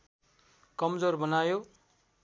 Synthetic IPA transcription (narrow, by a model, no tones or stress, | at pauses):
kʌmd͡zorbʌnajo